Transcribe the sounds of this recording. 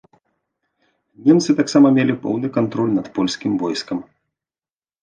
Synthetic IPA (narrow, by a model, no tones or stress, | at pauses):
nʲɛmt̪sɨt̪aksamɐmʲelʲipɔ̰wnɨkant̪ɾɔlʲnɐt̪pɔlʲsʲkʲimvɔjskɐm